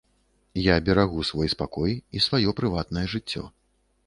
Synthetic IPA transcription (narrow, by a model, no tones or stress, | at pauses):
jabʲɛɾaɣusvɔjspakɔjisvajɔpɾɨvat̪nɐjɛʐɨt͡sʲːɔ̰